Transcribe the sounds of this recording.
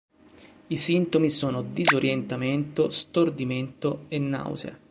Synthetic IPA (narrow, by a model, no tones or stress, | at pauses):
isint̪omisoːnod̪izoɾʔjent̪ament̪ost̪ord̪iment̪oenːa̰wza̰